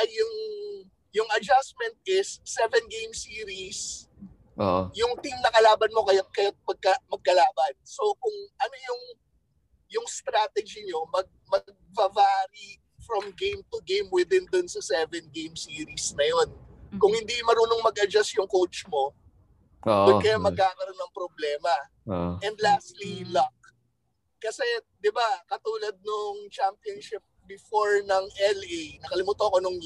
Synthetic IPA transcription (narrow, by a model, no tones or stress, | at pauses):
ʔɐːʊŋ | jʊŋʔɐd͡ʒasmɛnt̪̚ʔɪsːɛvɛnɡejmsiːɾis | ʔo̰jʊŋt̪imnɐkɐlaːbɐnmo̞kɐjat̪̚kɐjat̪̚pɐɡ̚kɐmɐɡ̚kɐlaːbɐnso̞kʊŋʔɐnojʊŋ | jʊŋst̪ɾat̪ɛd͡ʒiɲo̞mɐɡ̚mɐɡ̚bɐvaɾi | fɹɔmɡejmt̪ʊɡejmwɪd̪ɪnd̪ʊnsɐsɛvɛnɡejmsiːɾisnɐjonkʊŋhɪnd̪imɐɾuːnoŋmɐɡʔɐd͡ʒasjʊŋkowt͡ʃmo̞ | owɛkɐjamɐɡ̚kaːkɐɾo̞nːɐŋpɾoblɛːmɐ | ʔɛnd̪last̪lilɐk̚ | kɐsɛ | d̪ɪbakɐt̪uːlɐd̪̚nʊŋt͡ʃampionʃɪp̚bɪfoɹnɐŋʔɛlʔenɐkɐlɪmuːt̪oɐkonoŋ